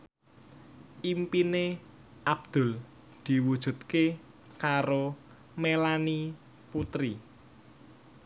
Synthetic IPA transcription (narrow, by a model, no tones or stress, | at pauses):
ʔimpine | ʔab̚d̪̥ʊ̤l | d̪̥i̤wud̥ʒ̥ṳt̪ke | kaɾo | melani | put̪ɾi